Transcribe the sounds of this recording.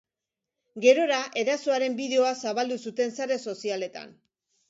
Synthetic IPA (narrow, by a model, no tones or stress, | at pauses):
ɡe̞ɾo̞ɾaʔe̞ðaso̞aɾe̞mbiðeo̞asaβald̪usut̪e̞nsaɾe̞so̞siale̞t̪a̰n